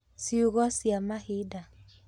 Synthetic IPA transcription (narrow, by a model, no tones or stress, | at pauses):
siuɣɔsiamahida